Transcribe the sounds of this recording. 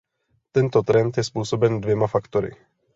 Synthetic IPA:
t̪ɛnt̪ot̪ɾɛnt̪jɛspuːso̞bɛndvjɛmafakt̪oɾɪ̰

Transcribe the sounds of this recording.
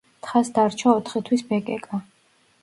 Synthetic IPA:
t̪χasd̪aɾt͡ʃʰaɔt̪ʰχit̪ʰwisbɛkʼɛkʼa

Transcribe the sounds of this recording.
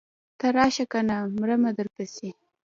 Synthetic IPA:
t̪aɾɑʃakanamɾəmad̪əɾpasi

